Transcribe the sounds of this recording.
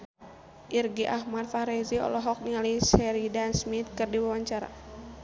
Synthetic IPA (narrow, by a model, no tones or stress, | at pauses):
ʔirɡiʔahmadfaɾɛziɔ̰lɔɦɔk̚niŋalisɛɾidansmit̪̚kɨrdiwawaɲt͡ʃaɾa̰